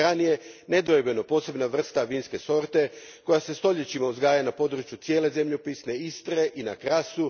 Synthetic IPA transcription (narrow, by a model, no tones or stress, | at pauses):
ɾanije̞ne̞d̪oebe̞no̞po̞ːse̞bnaʋr̩st̪aʋiːnske̞so̞ɾt̪e̞ | ko̞jase̞st̪o̞ʎe̞t͡ɕimauzɡaːjanapo̞d̪ɾut͡ɕjut̪sijeːle̞ze̞mʎopisne̞ist̪ɾe̞ʔinakɾasu